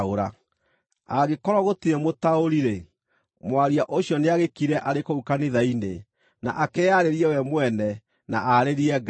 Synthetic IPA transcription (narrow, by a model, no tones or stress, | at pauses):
oɾa | aɣekɔɾɔɣotiɛmotaoɾiɾe | mwaɾiaʔoɕjɔneaɣekiɾɛʔaɾekoukaneðainḛ | na̰ʔakɛaɾeɾiɛwɛmwɛnɛ | na̰ʔaɾeɾiɛɡ